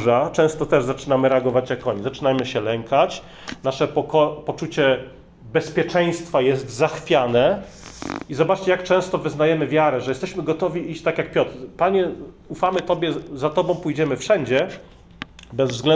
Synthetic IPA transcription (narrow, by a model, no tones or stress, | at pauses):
ʐat͡ʂɛ̃w̃st̪ɔt̪ɛʐzat͡ʂɘnamɘɾɛaɡɔvat͡ɕjakɔɲizat͡ʂɘnajmɘɕɛlɛŋkʰat͡ɕ | naʂɛpɔkɔpɔt͡ʂut͡ɕɛ | bɛspʲjɛt͡ʂɛ̃j̃st̪fajɛst̪zaxfʲjanɛ | izɔbat͡ʂt͡ɕɛjak̚t͡ʂɛ̃w̃st̪ɔvɘznajɛmɘvʲjaɾɛʐɛjɛst̪ɛɕmɘɡɔt̪ɔvʲiʔiɕt͡ɕt̪akjak̚pʲjɔt̪ɾpaɲɛ | ufamɘt̪ɔbʲjɛzat̪ɔbɔ̃w̃pujd͡ʑɛmɘfʂɛɲd͡ʑɛ | bɛzvzɡlɛ